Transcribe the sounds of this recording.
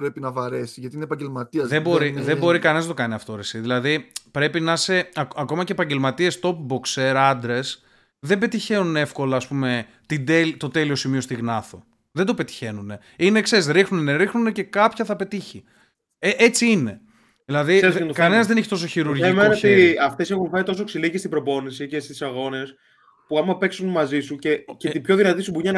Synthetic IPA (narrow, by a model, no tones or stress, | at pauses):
pɾepinɐvɐɾesiʝɐt̪iinepɐɲɟelmɐt̪iɐzðebo̞ɾiðebo̞ɾikɐnenɐznɐt̪o̞kɐniɐft̪o̞ɾesiðilɐðipɾe̞pinɐse̞ɐkɐko̞mɐce̞ːpɐɲɟe̞lmɐt̪ie̞st̪o̞p̚bo̞kseɾɐnd̪ɾe̞s | ðe̞be̞t̪içe̞nune̞fko̞lɐːspume̞ | t̪id̪elit̪o̞t̪e̞lio̞simio̞st̪iɣnɐθo̞ | ðed̪o̞pe̞t̪i̥çe̞nune̞ | inekse̞ɾisɾixnunneɾixnunece̞kɐpçɐθɐpe̞t̪içi | ʔet͡siine̞ | ðilɐðiet̪okɐne̞nɐzðeneçit̪osoçiɾuɾemet̪iɐft̪e̞sexunfeit̪o̞soksiliɣist̪ibɾo̞po̞nisice̞st̪i̥sɐɣo̞ne̞s | puɐmɐpe̞ksunmɐzisuce̞cet̪ipço̞ðinɐt̪isubuɲɐn